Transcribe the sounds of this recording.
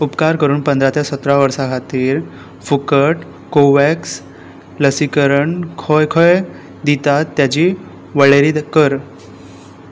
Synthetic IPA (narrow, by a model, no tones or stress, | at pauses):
upkaɾkəɾuːnpənd̪ɾat̪jasət̪ɾaʋəɾsakʰat̪iːɾ | fukəʈ | koʋɛks | ləsikəɾəɳkʰɔjkʰɔj | d̪it̪at̪ːjat͡ɕiː | ʋəɭeɾikəɾ